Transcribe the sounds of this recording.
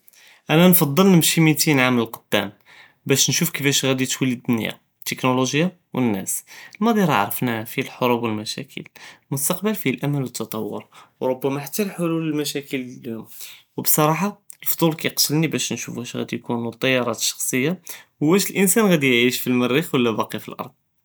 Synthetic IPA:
ʔænænfɑd̪ˤːəlnəmʃimit̪inʕamləlqod̪̥ːæ̰m | bæʃnʃufkəfæʃɣæd̪it̪wiləd̪ːʊnja̰ | t̪ːəknoloʒja | wənːæ̰səlmæd̪ˤiɾˤɑ̰ʕɾˤəfnæfilħoɾubwəlmæʃæ̰kʰə̰lmʊst̪ɑqbəlfilʔæmælwət̪ʰːɑt̪ˤɑwːʊ̰ɾwɾˤobːæmæħat̪ːælħoluləlmæʃækəlljʊmwbsˤɑɾˤɑħɑlft̪ˤulkæjqt̪əlnibæʃnʃufhæʃɣæ̰d̪ijkunut̪ˤːɑjːɑɾˤɑt̪ʃːɑ̥xsˤəjːahʊwːæʃəlʔənsænɣæd̪ijʕiʃfilmərːixwəlːæbɑqifḭlʔɑ̰ɾˤd̪̚ˤ

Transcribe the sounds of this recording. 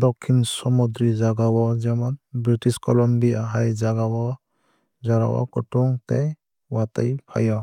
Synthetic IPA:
d̪ɔkʰːinsɔmud̪ɾid͡ʒaɡawɔd͡ʒɛmɔnbɾiʈiskɔlɔmbiaɦajd͡ʒaɡawɔ | d͡ʒaɾa̰wa̰kɔʈuŋt̪ɛ | wat̪ajpʰa̰jɔ

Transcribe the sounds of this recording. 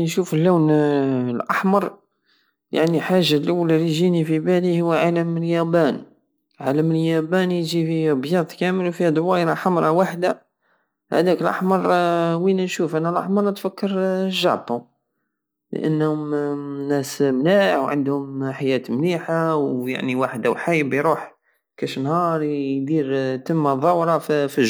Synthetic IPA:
nʃufəlːuwnlʔɑħmɑɾˤ | ja̰ʕniħaʒːalʔʊwːlliʒinifibælihʊwːʕaləməljæbæn | ʕaləməljæbænjʒifiæbjɑd̪ˤkæməlwfihæd̪ˤwɑjɾɑħamɾˤɑwaħd̪a | hæ̰d̪ækəlʔɑ̰ħmɑɾˤwinænʃufʔænælʔɑ̰ħmɑɾˤnət̪fækːəɾʒːɑ̰ʕt̪ˤːu | lə̰ʔə̰nːhʊmnːæsmlaħwʕə̰nd̪hʊmħajæt̪mliħawja̰ʕniwaħd̪awħajbjɾuħ | kæʃnhɑɾˤjd̪iɾt̪əmːaðˤɑwɾˤɑffiʒ

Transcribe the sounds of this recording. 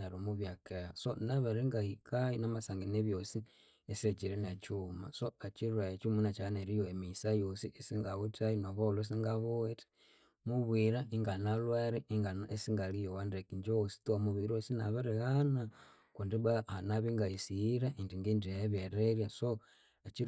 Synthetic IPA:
naɾomuβjakeɣasonaβaɾiŋɡahikʰainamasaŋɡineβjosi | eset͡ʃiɾenat͡ʃuma̰soat͡ʃiɾaet͡ʃumunat͡ʃaneɾijoemisajosiʔesiŋɡaβutainoβolos̬iŋɡaβoeti̥ | muβwiɾaiŋɡanalwaɾiiŋɡanesiŋɡalijowandekiɲd͡ʒoosi̥tuamuβiɾosinaβaɾiɣana | kundiβaanaβiŋɡaisiiɾaʔindiŋɡindijeβeɾeɾjaso | at͡ʃi

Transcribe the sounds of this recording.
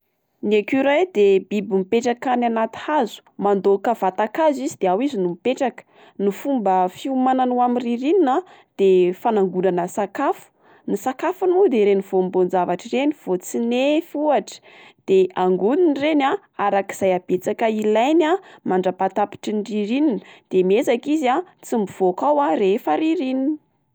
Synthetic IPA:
nekuɾajd̪ebibimipeʈ͡ʂakananat̪i̥hazu̥mand̪okəv̥at̪akazizid̪eawizinumipeʈ͡ʂakə̥ | nifumbəfiumananuamiriɾinina | d̪̥efanaŋɡunanəsakafu̥ | nisakafunud̪eɾeniv̥ombond͡zavaʈ͡ʂireniv̥ot͡sinefuaʈ͡ʂə̥ | d̪̥eaŋɡuninrena | aɾaki̥z̥ajab̥et͡sakəilajnamaɳɖ͡ʐəpat̪api̥ʈ͡ʂinriɾininəd̪̥emezakizat͡simiv̥okawarefəɾiɾinin

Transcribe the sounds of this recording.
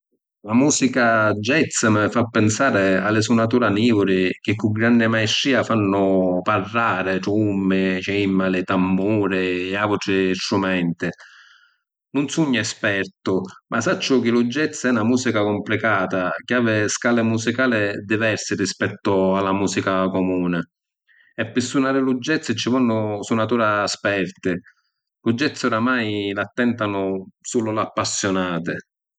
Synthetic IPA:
lamuːsikad͡ʒːɛt̪samɪfapːɪnsaːɾɪa̰lːɪsunat̪uːɾaniːvʊɾɪk̟ɪkːʊɡɾanːɪmaiʃːiːafanːʊparːaːɾɪʈumːɪt͡ʃimːalɪt̪amːuːɾɪːavʊʈɾɪst̪ɾumɛnt̪ɪ | nʊnsuɲːaɛspɛrt̪ʊmʔasat͡ʃːʊk̟ɪlud͡ʒːɛt̪sːɛnamuːsikakʊmplikaːt̪ak̟ɪaːvɪskalɪmusikaːlɪd̪ivɛɾsɪrispɛt̪ːʊalːamuːsikakɔmuːnɪ | ɛpːɪsːunaːɾɪlud͡ʒːɛt̪sːɪt͡ʃːɪvɔnːʊsunːat̪uːɾaːspɛrt̪ɪ | lud͡ʒːɛt̪sːʊɾamajlat̪ːɛnt̪anʊsuːlʊlapːasːjɔnaːt̪ɪ

